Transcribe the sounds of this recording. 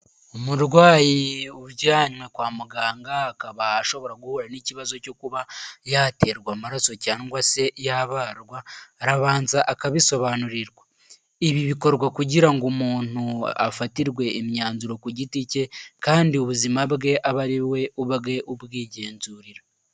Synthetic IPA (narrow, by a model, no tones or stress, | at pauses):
omuɾɡwaːjiuβɟaːɲmwe̞kwaːmuɡaːŋɡaakaβaːʃo̞βo̞ɾaɡuhuɾaniciβazo̞co̞kuβajaːte̞ɾɡwamaɾaso̞caːŋɡwase̞ʔjaβaːɾɡwaɾaβaːnzaʔakaβiso̞βaːnuɾiɾɡwa | iβiβiko̞ɾɡwakuɟiɾaŋɡumuːn̥ua̰fatiɾɡwe̞ːmɲaːnzuɾo̞kuɟitice̞kaːndiuβuzimabɡe̞ʔaβaɾiwe̞ʔuβɡe̞ʔubɡiːɟe̞ːnzuːɾiɾa